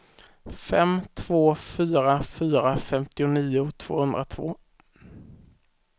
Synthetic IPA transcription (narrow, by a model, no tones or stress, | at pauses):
fɛmt̪ʰv̥oːfyːɾafyːɾafɛmt̪ɪʊniːʊt̪ʰv̥o̰ːhɵnd̪ɾat̪ʰvo̰ː